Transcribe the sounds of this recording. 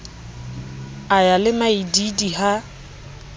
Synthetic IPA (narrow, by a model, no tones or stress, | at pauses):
ajalɪmaididiha